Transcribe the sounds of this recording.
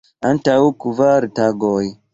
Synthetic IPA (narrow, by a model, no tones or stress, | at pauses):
antawkuvaɾtaɡoj